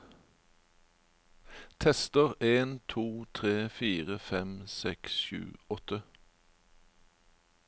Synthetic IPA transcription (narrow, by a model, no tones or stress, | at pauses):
t̪ʰɛst̪əʁeːnt̪ʰuːt̪ʰʁeːfiːʁəfɛmsɛksʃʉ̰ːɔt̪ə